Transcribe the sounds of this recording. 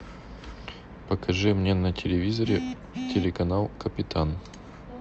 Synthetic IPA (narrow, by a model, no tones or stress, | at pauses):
pəkɐʐɨmnʲenətʲɪlʲɪvʲizəɾʲɪ | tʲɪlʲɪkɐnalˠkəpʲɪt̪ʰan